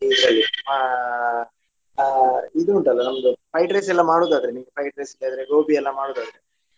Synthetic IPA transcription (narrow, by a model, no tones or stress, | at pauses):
id̪ɾɐlːi | id̪uːɳʈɐlːɐnɐmd̪upʰɐjʈɾeːsɛlːɐmaːɽoːd̪aːd̪ɐɾeniːɡepʰɐjʈɾeːsiɖejaːd̪ɐɾeɡoːbiɛlːɐmaːɽoːd̪aːd̪ɐɾe